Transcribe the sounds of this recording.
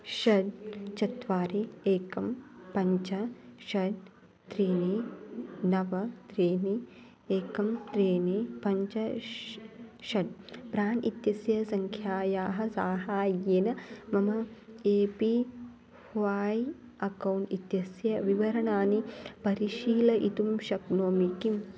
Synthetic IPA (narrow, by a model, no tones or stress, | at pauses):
ʃɐɖ̪t͡ʃɐt̪ʋaːɾeeːkɐmpɐɲt͡ʃɐʃɐd̪ | t̪ɾeːne | nɐʋɐt̪ɾeːne | eːkɐmt̪ɾeːnepɐɲt͡ʃɐ | ʃɐɖ̪̚pɾaːnʔit̪jɐsjɐsɐŋkʰjaːjaːɦɐ̆saːɦaːjeːnɐmɐmɐeːpi | hʋaːj | ɐkɐwɳʈit̪jɐsjɐʋiʋɐɾɐɳaːnipɐɾiʃiːlɐʔit̪umʃɐknoːmikim